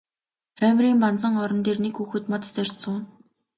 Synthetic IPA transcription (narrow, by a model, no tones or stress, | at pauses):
χæːmʲriːmpant͡sə̆ŋɔɾɞ̆nt̪eːrnekxuːxɘ̆t̪mɔt̪t͡sœr̥ʲt̪sə̆ŋuːn